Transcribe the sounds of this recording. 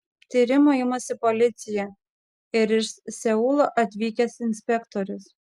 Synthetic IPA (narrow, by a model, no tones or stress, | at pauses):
t̪ʲiːɾʲɪmoɪmosʲɪpolʲɪt̪sʲɪjɛ | ɪɾɪʃsʲɛuːlˠoʔɐt̪ʲʋʲiːkʲɛsɪnʲsʲpʲɛkt̪oɾʲʊs